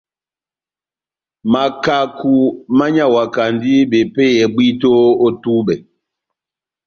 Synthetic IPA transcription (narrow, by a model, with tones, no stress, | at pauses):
ma˨ka˨ku˨ma˦ɲa˦˨wa˨ka˨ndi˦ɓe˨pɛ˦jɛ˨ɓwi˦to˦o˦tu˦bɛ˨